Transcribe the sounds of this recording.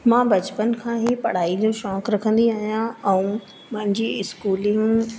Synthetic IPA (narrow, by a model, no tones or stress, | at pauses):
mãːbɐt͡ɕpənkʰãːɦipɐɽ̤aːid͡ʑõʃɔːkɾɐkʰə̃nd̪iaːɦijãɛ̃ũ | mʊ̃ɦɪ̃ɲd͡ʑiɪskuːlɪ̃ŋɡ